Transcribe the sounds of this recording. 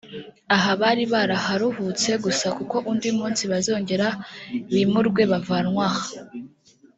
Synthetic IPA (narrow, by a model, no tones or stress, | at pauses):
aɦaβaɾiβaɾahaɾuhut͡se̞ɡusakuko̞ʔundimuːnsiβazo̞ːɲɟe̞ɾaβimuɾɡwe̞βavanŋwaːha